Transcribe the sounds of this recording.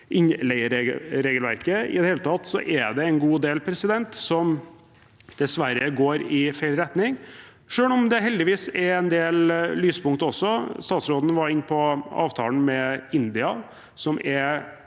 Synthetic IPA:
ʔɪɲlɛɪəɾɾeːɡəlʋæ̰ɾkəɪ̰d̪ɛheːlət̪ʰɑt̪sɔ̰ʔɛɖ̪ɛɛnɡuːd̪eːlpʰɾɛsɪd̪ɛnt̪sɔm | d̪̥ɛsʋæɾəɡoːɾɪfæɪlɾɛt̪nɪŋ | ʂøːɳɔmd̪ɛɦɛld̪ɪʋiːsɛɾɛnd̪eːllyːspʰʊŋkt̪əɔsːɔst̪ɑːt̪sɾoːd̪nʋɑɾɪnːpʰɔɑ̰ːʋt̪ʰɑ̰ːln̩mɛɪnd̪ɪɑ | sɔmʔɛ

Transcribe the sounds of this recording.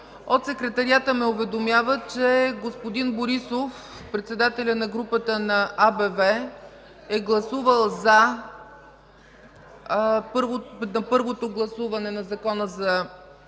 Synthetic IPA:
ot̪sɛkɾɛt̪ɐɾiat̪əmɛʊvɛd̪omjavət͡ʃɛɡospod̪inboɾisof | pɾɛt̪sɛd̪at̪ɛlʲənɐɡɾupət̪ənɐʔabɛvɛ | ɛɡlˠɐsuvəlˠzɐ | pɤɾvonɐpɤɾvot̪oɡlˠɐsuvɐnɛnɐzɐkɔnəzɐ

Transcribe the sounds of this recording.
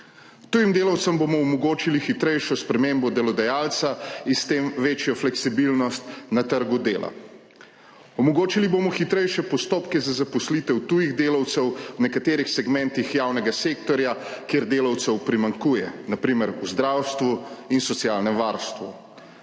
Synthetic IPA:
t̪uːjimd̪eːlɐwt̪səmbomɔɔmɔɡoːt͡ʃilixit̪ɾɛjʃɔspɾɛmembɔd̪ɛlɔd̪ɛjaːlt̪sainst̪eːmʋeːt͡ʃjɔflɛksibilnɔst̪nat̪əɾɡud̪eːla̰ | ɔmɔɡoːt͡ʃiliboːmɔxit̪ɾɛjʃɛpɔst̪oːpkɛzazapɔslit̪ɛwt̪uːjiɣd̪eːlɐwt̪sɛwwnɛkat̪eːɾixsɛɡmɛnt̪ixjaːwnɛɡaseːkt̪ɔɾjakeɾd̪eːlɐwt̪sɛwpɾimaŋkuːjɛ̰napɾiːmɛɾuzd̪ɾawst̪ʋuinsɔt̪sjaːlnɛmʋaɾst̪ʋu

